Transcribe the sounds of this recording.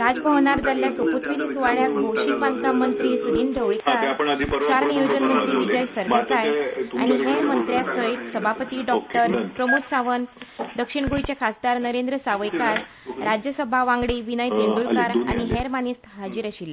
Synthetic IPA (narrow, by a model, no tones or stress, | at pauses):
ɾad͡zpaʋɳ̃aɾd͡zaljasəput̪ʋid̪isuʋaɭjak̚bʱowɕik̚bãnd̪kamənt̪ɾiːsud̪iːnɖəwɭikaɾɕaɾnəjud͡ʑənmənt̪ɾiːʋid͡ʑəjsəɾd̪esaja̰ñiɦeɾmənt̪ɾjasəjt̪səbʱapət̪iːɖɔk̚ʈəɾpɾəmut̪saʋənd̪əkʂiɳɡojt͡ɕakʰasd̪aɾnəɾend̪ɾəsaʋəjkaɾ | ɾad͡ʑjəsəbʱaʋãŋɡɽiːʋinəjt̪iɳɖulkaɾa̰ɽ̃iɦeɾmanist̪ɦad͡ʑiɾəɕila